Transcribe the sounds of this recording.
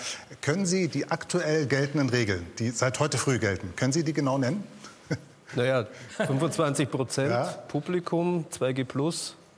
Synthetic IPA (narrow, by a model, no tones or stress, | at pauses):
kʰœnənziːdiːʔaktʰuʔɛlɡɛltn̩dənʁeːɡl̩nd̥iːzaɪthɔʏtəfʁ̥yːɡɛltn̩kʰœnənziːdiːɡənaʊnɛnən | najaːfʏnvʊnt͡sv̥ant͡sɪçpʁ̥ot͡sɛnjaːpʰublikʰʊmt͡sv̥aɪɡeːpʰlʊs